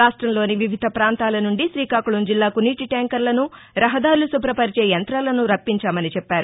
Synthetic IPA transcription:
aːʂʈɾɐmlo̞ːniʋiʋʱid̪ʱɐpɾaːnt̪aːlɐnuɳɖiʃɾiːkaːkuɭumd͡ʒilːaːkuniːʈiʈaːŋkɐɾlɐnuɾɐɦɐd̪aːɾulusupɾɐpɐɾit͡ʃeːjɐnt̪ɾaːlɐnuɾɐpːiɲt͡ʃaːmɐnit͡ʃɛpːaːɾu

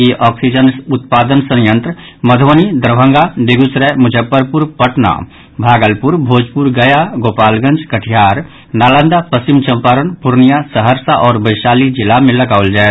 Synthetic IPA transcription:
eʔɔːksid͡ʒənʊt̪̚paːd̪ənsə̃njə̃nt̪ɾə | məd̪ʱʋənid̪ɾəbʱə̃ŋɡad̪eɡʊsɾɛmʊd͡ʒʱəpːəɾpʊɾpəʈna̰ | bʱaːɡəlpʊɾbʱoːd͡ʒpuɾɡɐjaɡoːpaːlɡə̃nd͡ʒkəʈʰijaːɾ | naːlə̃nd̪apəsɪmt͡ʃə̃mpaːɾənpʊɾnijasəɦəɾsaʔɔːɾbəɪʃaːlid͡ʒɪlːamẽlɐɡaːʋəld͡ʒaːɛ

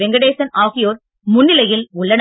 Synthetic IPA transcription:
ɛŋɡɐɽeːsɐnaːɣɪjoːɾ | mʊnːɪlɐjɪlʊɭːɐn

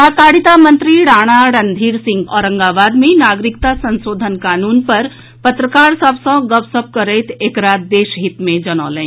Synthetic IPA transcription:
t̪ak̪aːɽit̪amənt̪ɾiɽaːɽ̃aɽɐnd̪ʱiːɾsɪ̃ŋɡɔːɾə̃ŋɡaːʋaːd̪mẽnaːɡɾikt̪asɐnsoːd̪ʱənkaːnuːnpɐɾ | pət̪ɾəkaːɾsəbsɐ̃ɡəbsəp̚kəɾɛːt̪ʰeːkɾaːd̪̚d̪eːʃɦit̪mẽd͡ʒɐñɔ̰ːlɛ̃

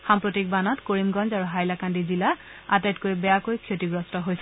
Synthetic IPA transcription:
xampɹotik̚banɔtkoɹimɡɔnzaɹuɦajlakandizila | atajtkojbɛjakojkʰijotiɡɹɔstɔɦojsɛ

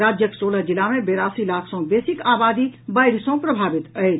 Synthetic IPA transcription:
ɾad͡ʒjəksoləd͡ʒilamebeɾasilakʰsɔ̃besikabad̪ibəjɾsɔ̃pɾəbʱabit̪əjt͡ʃʰ

